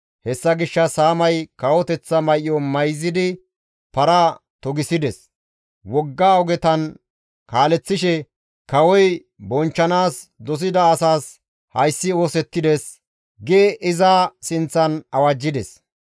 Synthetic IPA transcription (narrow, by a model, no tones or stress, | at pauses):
hɛsːɐɡɪʃːɐsaːmɐjkɐwɔt̪ɛt͡sːɐmɐjɪɔmɐjzːɪd̪ɪ | pɐɾat̪ɔɡɪsɪd̪ɛs | wɔɡːaːɔɡɛt̪ɐn | kaːlɛt͡sːɪʃɛ | kɐwɔj | bɔnt͡ʃːɐnaːsd̪ɔs̬ɪd̪ɐːsaːs | hɐjsːɪo̞ːsɛt̪ːɪd̪es | ɡeːʔɪzasɪnt͡sːɐnɐwad͡ʒːɪd̪ɛs